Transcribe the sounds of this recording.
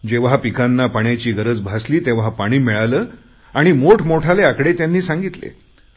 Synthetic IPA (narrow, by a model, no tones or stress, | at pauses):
d͡ʑeʋɦapikanːapaɳjat͡ɕiːɡəɾəd͡zbʱasliːt̪eʋɦapaɽ̃iːmiɭaləː | aɽ̃imoʈʰmoʈʰaleakɽet̪janːiːsãŋɡit̪lḛ